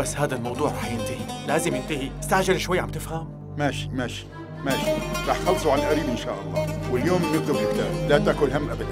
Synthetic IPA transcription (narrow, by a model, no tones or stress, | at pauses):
asːhaːd̪almɑwd̪ˤuːʕɾˤɑːħjɪnt̪ɪhilaːzɪmjɪnt̪ɪhiɪst̪aʕʒɪɾʃwajːʕambt̪ɪfham | maːʃi̥maːʃi̥ | maːʃiɾˤɑːħt̪xɑlːsˤuʕanlʔaɾiːbʔɪnʃa̰ːʔɑlˤːɑːwɪljoːmnːɪk̚t̪ʊbjɪbt̪aːɾlat̪aːkʊlɦamːʔabad̪an